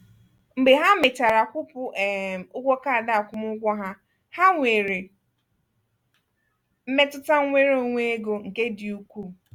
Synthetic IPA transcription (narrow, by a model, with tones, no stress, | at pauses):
ŋ͡m̩˨ɡ͡be˨ɦa˦mɪ˨ta˨ɾa˨kʷʊ˦pʊ˦˨ʔʊ˦ɡʷɔ˦ka˦a˨da˦a˨kʷʊ˦mʊ˦ɡʷɔ˦ɦa˦ | ha˦ŋʷe˨ɾe˨ | m̩˦me˦tʊ˦ta˦ŋʷe˦ɾo˦ŋʷe˦ɡo˨ŋ̩˨ke˦dɪ˨u˦kʷu˦˨